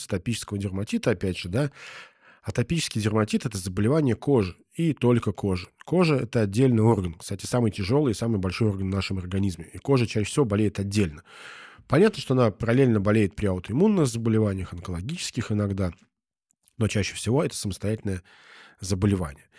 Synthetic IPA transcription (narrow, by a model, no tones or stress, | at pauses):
sə̥t̪ɐpʲit͡ɕɪ̥skəvədʲɪrmɐtʲit̪əɐpʲædʲʐɨd̪a | ɐt̪ɐpʲit͡ɕɪ̥skʲɪjdʲɪrmɐtʲit̪ɛt̪əzəbəlʲɪvanʲɪjəkoʐɨ | it̪o̞lʲkəkʰo̞ʐɨko̞ʐɨɛt̪əɐdʲːelʲnɨjo̞rɡənkst̪atʲɪ̥samɨjtʲɪʐo̞lˠɨjɪsamɨjbɐlʲʂojo̞rɡənvnaʂɨmɐrɡɐnʲizmʲɪiko̞ʐɨt͡ɕæfsʲɪvobɐlʲejɪt̪ɐdʲːelʲnəpɐnʲat̪nəʂt̪oɐnapəɾɐlʲelʲnəbɐlʲejɪt̪̚pɾʲɪɐʊt̪ɪmunːɨxzəbəlʲɪvanʲɪjəxənkəlˠɐɡʲit͡ɕɪ̥skʲɪxɪnɐɡd̪a | no̞t͡ɕæɕːɪ̥fsʲɪvo̞ɛt̪ə̥səməst̪ɐjætʲɪlʲnəjə | zəbəlʲɪva̰nʲɪ̰jə